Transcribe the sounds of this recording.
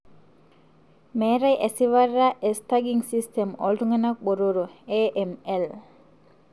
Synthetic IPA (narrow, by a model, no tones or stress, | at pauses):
meːɾɐjʔesiʋɐrːaʔest̪ɐɡiŋsistemo̰lʈuŋɡɐnɐk̚boɾuɾueːʔemel